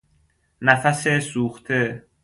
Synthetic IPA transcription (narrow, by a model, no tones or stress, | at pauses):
næfæsesuːxt̪ʰe